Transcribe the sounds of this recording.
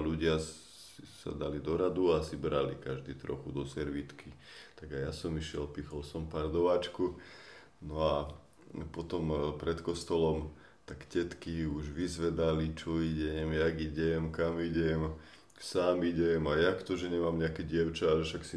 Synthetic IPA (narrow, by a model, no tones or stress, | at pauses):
luɟɪa | isa̰d̪alid̪ɔɾad̪uasibɾalḭkaʒd̪iːt̪ɾɔ̰xud̪ɔsɛɾʋit̪kʰi | t̪aɡajasɔmiʃɪɛlpixɔlsɔmpaːɾd̪ɔʋaːt͡ʃku | nɔa | pɔt̪ɔmpɾɛt̪kɔst̪ɔlɔm | t̪akcɛt̪kiuʒʋizʋɛd̪alit͡ʃɔiɟɛmjaɡiɟɛmkamiɟɛm | saːmiɟɛmajakt̪ɔʒɛɲɛmaːmɲɛakɛɟɪɛʊt͡ʃaaʒɛʃaksi